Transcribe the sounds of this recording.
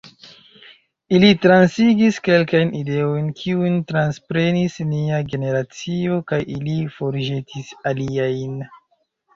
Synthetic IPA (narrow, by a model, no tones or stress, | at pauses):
ilitɾansiɡiske̞lkajnʔide̞o̞jnkʰiujntɾanspɾe̞nisniaɡe̞ne̞ɾat͡sio̞kajʔilifo̞ɾʒetʰisaliajn